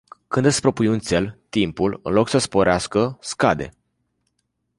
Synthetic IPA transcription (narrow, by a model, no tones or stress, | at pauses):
kɨnd̪ɨspɾo̞pujunt̪se̞lt̪impulɨ̰nlo̞ksəspo̞ɾeaskəskad̪e̞̰